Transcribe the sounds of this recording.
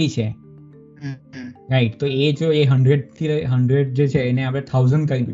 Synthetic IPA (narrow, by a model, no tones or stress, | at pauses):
it͡ʃʰe | ɾaiʈ̚t̪oed͡ʒoeɦəɳɖɾeɖ̚t̪ʰiɾəɦəɳɖɾeɖ̚d͡ʒet͡ʃʰeːneap̬ɽẽt̪ʰawzəɳɖkəɾinu